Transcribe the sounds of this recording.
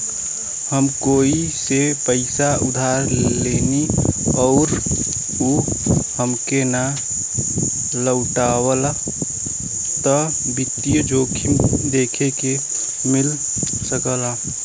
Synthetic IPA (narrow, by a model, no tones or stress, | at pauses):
həmkoːisepəɪsaʊd̪ʱaːɾleːniɔːɾ | uhəmkena | ləʊʈaːwəla | t̪ɔ | bɪt̪ːijəd͡ʒoːkʰimd̪eːkʰeke | mɪl | səkəla